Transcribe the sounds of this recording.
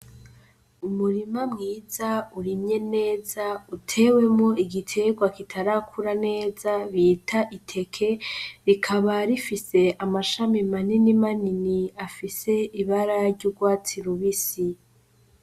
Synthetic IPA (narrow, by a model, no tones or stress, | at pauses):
umuɾimamŋiːzauɾimɲe̞ne̞ːzautʰe̞we̞mŋo̞iɡitʰe̞ɡwakitʰaɾakʰuɾane̞ːzaβiːtʰaʔitʰe̞kʰe̞ɾikʰaβaɾifise̞amaʃamimaninimaniniafise̞iβaɾaɾɟuɡwaːt͡siɾuβisi